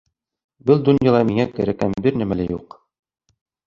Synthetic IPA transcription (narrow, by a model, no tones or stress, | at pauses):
bɘlˠd̪unjɑlˠɑmiŋækɘ̆ɾækænbɘɾnæmælæjṵq